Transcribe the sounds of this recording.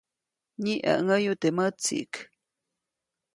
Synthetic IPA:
ɲiʔə̰ʔŋəjut̪emət͡sḭʔk

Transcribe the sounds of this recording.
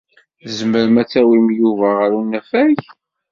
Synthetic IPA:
zməɾəmæt͡sːæwimjuvæʁəɾunːæfæç

